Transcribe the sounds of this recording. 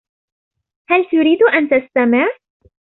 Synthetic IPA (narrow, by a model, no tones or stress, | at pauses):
halt̪ʊɾiːd̪ʔant̪ast̪amɪʕ